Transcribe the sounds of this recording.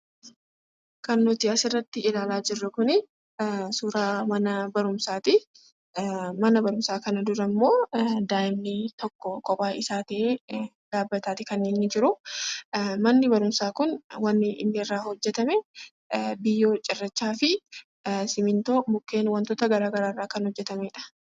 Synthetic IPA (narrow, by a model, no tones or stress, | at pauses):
kɐnːɔt̪ɪɐsɪrːɐt̪ːɪɪlaːlaːd͡ʒɪrːɐkʊnɪ | suːɾaːmɐnɐbɐɾʊmsaːt̪ɪ | mɐnɐbɐɾʊmsaːkɐnɐd̪ʊɾɐmːo̞ːd̪aːɪmnit̪ɔkːɔkʼɔpʼaːɪsaːt̪ɐʔeː | d̪̥aːbːɐt̪aːt̪ɪkɐnːeːnːɪd͡ʒɪɾʊ | mɐnːɪbɐɾʊmsaːkʊnwɐnːɪʔɪ̰nːɪrːaːhɔd͡ʒːɛt̪ɐmɛ | bɪjːoːt͡ʃʼɪrːɐt͡ʃːaːfɪ | sɪmɪnt̪oːmʊkːe̞ːnwɐnt̪ɔt̪ɐɡɐɾaːɡɐɾaːrːaːkɐnhɔd͡ʒːɛt̪ɐmeːᶑɐ̥